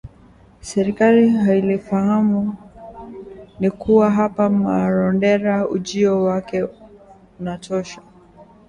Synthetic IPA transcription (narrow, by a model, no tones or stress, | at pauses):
sɛɾikaliɦailifahamu | nikuwaɦapamaɾɔndɛɾaud͡ʒiɔwakɛ | unatʰɔʃa